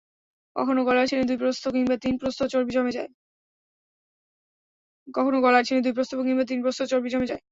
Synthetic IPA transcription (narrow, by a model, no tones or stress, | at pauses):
kɔ̰kʰonoɡɔlaɾt͡ɕʰened̪ujpɾost̪ok̬iŋbat̪inpɾost̪ot͡ɕoɾbid͡ʑɔmed͡ʑae | kɔkʰonoɡɔlaɾt͡ɕʰened̪ujpɾost̪obok̬iŋbat̪inpɾost̪ot͡ɕoɾbid͡ʑɔmed͡ʑae